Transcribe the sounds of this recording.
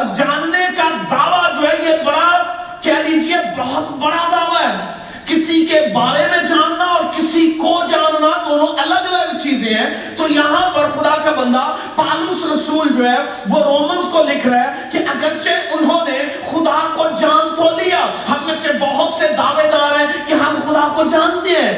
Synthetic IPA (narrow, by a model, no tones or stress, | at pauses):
ɾd͡ʒaːnːekad̪aːʋad͡ʒoːɦɛjebɐɽakɛːliːd͡ʒiebɔɦʊt̪bɐɽad̪aːʋaɦɛː | kɪsikebaːlemẽd͡ʒaːnːaɔːɾkɪsikod͡ʒaːnːad̪oːnõʔɐləɡɐləɡt͡ʃiːzẽɦɛ̃ | t̪ojɐɦãpɐɾxʊd̪akabɐ̃nd̪a | paːlusɾɐsuːld͡ʒoːɦɛ | ʋoɾoːmənzkolɪkʰɾaɦɛ | kiʔɐɡəɾt͡ʃeʔʊnɦõne | xʊd̪akod͡ʒaːnt̪ʰolijaːɦɐmːẽsebɐɦʊt̪sed̪aːʋed̪aːɾɦɛ̃kiɦɐmxʊd̪akod͡ʒaːnt̪eɦɛ̃ː